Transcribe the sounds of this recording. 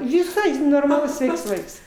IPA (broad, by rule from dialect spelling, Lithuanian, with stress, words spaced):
ʋʲɪˈsɐɪ noːrmɐˈlˠʊs ˈsʲʋʲɛɪks ˈʋɐɪks